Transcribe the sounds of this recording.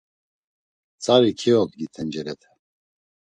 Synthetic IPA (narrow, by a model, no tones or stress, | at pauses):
t͡sʰʼaɾikʰiɔd̪̚ɡit̪ʰɛnd͡ʒɛɾɛt̪ʰɛ̥